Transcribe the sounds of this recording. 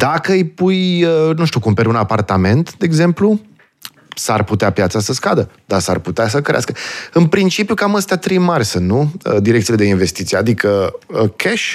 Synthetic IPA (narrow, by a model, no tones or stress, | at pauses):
d̪akəjpujənũʃt̪jukumpeɾʲunapart̪ame̞nt̪d̪e̞ːɡze̞mplu | sarput̪eapjat̪sasəskad̪əd̪asa̰rput̪eas̬əkəɾeaskəɨnpɾint͡ʃipjukaməst̪eat̪ɾimarsənṵd̪iɾek̪iled̪einve̞st̪it̪sijad̪ikəəkʰeʃ